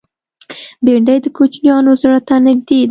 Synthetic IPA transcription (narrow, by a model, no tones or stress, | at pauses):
beɳɖajd̪əkʰot͡ʃnijɑnʊzɾat̪ːanɪɡ̚d̪ed̪